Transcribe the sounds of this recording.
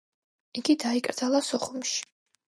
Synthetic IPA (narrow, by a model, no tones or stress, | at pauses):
iɡid̪aikʼɾd̪z̥alˠasɔχumʃi̥